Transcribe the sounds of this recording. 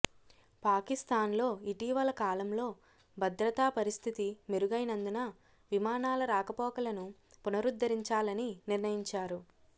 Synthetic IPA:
paːkist̪aːnlo̞ːiʈiːʋɐlɐkaːlɐmlo̞ː | bʱɐd̪ɾɐt̪aːpɐɾist̪ʰit̪imeɾuɡɐjnɐnd̪unɐ | ʋimaːnaːlɐɾaːkɐpɔːkɐlɐnu | punɐɾud̪ːɐɾiɲt͡ʃaːlɐniniɾnɐjiɲt͡ʃaːɾu

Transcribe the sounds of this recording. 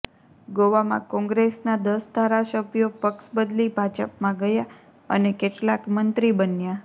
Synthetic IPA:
ɡoʋamã̰kɔ̃ŋɡɾesnad̪əsd̪ʱaɾasəbʱjopəksbəd̪libʱad͡ʒəpmãɡəja | ə̰nekeʈlakmənt̪ɾibənja

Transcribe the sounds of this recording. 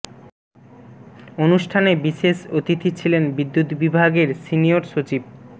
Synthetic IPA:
onuʃʈʰanebiʃeʃot̪it̪ʰit͡ɕʰilenbid̪ːut̪bibʱaɡeɾsinioɾʃot͡ɕib̚

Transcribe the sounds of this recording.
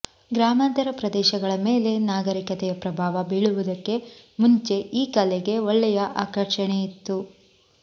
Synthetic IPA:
ɡɾaːmɐnt̪ɐɾɐpɾɐd̪ɛːʃɐɡɐɭɐmeːle̞naːɡɐɾikɐt̪ɛjɐpɾɐbʱaːʋɐbiɭuʋud̪ɐkːe̞ | muɲt͡ʃe̞ʔiːkɐlɛɡe̞ɔɭːɛjɐʔaːkɐɾʂɐɳeit̪ːu

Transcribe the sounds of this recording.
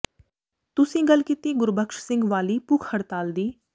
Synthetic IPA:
t̪ʊsĩːɡəlkit̪iːɡʊɾbʱəkʃsɪ̃ŋɡʋaːliːpʊkʰhəɽt̪aːld̪iː

